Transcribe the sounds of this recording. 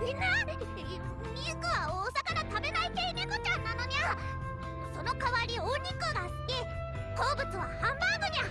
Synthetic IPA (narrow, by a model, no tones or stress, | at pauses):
mʲĩnːaɾʲt̪ei | nʲiɯkɯ̟βaoːsakanat̪abe̞nait̪einekot͡ɕãnːano̞ɲa | so̞no̞kaβaɾʲiõɲʲːikɯɡasɨ̥kʲe | ko̞ːbɯ̟t͡sɨβahãmbãŋɡoɲia